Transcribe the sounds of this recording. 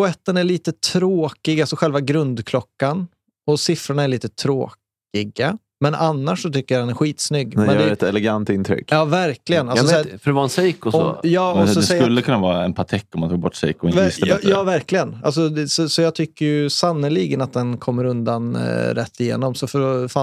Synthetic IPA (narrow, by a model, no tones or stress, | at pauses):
pʰʊɛt̪ːənæɭiːt̪ət̪ʰɾoːkɪɡalsɔɧɛlvaɡɾɵnd̪kʰlɔkːan | ɔsɪfɾʊɳaæɾɭiːt̪ət̪ʰɾoːk | ɪɡa | mɛnʔanːaʂːɔt̪ʏkːəjad̪ɛnæɾɧiːt̪snʏɡːmɛnd̪ɛɛt̪ɛlɛɡant̪ɪnt̪ʰɾʏ̰kːjɑːvæɾklɪɡənalsɔsɛːɾfœɖɛvaɾɛnsɛjkɔsɔɔ̰jɑːɔsɔɛsɛsɵlːəkʰɵnːavɑːɾaɛnpʰat̪ʰɛkːɔmant̪ʰɑːɡbɔʈːsɛ̰jkːɔɪnst̪əɛjɑːvæɾklɪɡəna̰ls̬ɔsɔsɔjɑːt̪ʰʏkːəɾjɵsanːʊliːɡənat̪̚d̪ɛnkʰɔmːəɾɵnd̪anɾɛt̪ʰːɪjḛːnɔmsɔfœɾɔfa